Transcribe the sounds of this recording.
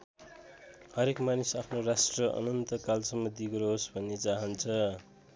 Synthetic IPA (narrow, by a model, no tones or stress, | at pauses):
hʌɾekmanisapʰnorasʈrʌʔʌ̰nʌnt̪ʌkalsʌmːʌd̪ʱiɡʌɾoɦsbʱʌnːet͡saɦʌnt͡sʰʌ